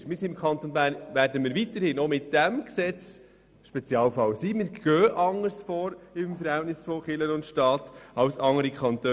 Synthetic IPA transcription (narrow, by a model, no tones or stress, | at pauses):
ʃmɪɾsiɪmkʰχɑnt̪onbæːɾnʋæɾdəmiːɾʋit̪əɾhɪnomɪt̚d̥æmksɛt͡s | ʃpɛt͡sjɑːlfɑwsiːmɪɾɡ̥œːʔɑŋːəɾsfɔːɾɪmfəɾhɛltnɪsfɔχɪlənʊntʃtɑːt̪ɑwsɑŋəɾikʰχɑnt̪ø